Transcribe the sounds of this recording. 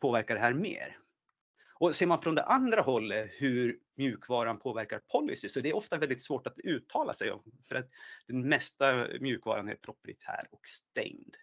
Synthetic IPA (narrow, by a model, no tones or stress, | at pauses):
pʰoːvæɾkaɖɛɦæːɾmḛːɾ | ɔseːɾmanfɾɔnd̪ɛ̰ʔand̪ɾaɦɔlːəhɵɾmjʉ̟ːkvɑːɾanpʰoːvæɾkaɾpʰɔlːɪ̰sɪsɔd̪ɛæɾɔft̪avɛld̪ɪt̪svoːʈat̪ʉ̟ːt̪ʰːɑːla̰sɛjɔ̰vfœɾat̪d̪̥ɛnmɛst̪amjʉ̟ːkvɑ̰ːɾanæ̰ɾpʰɾʊpɾɪ̰t̪ʰæ̰ːɾɔkst̪ɛ̰ŋd̪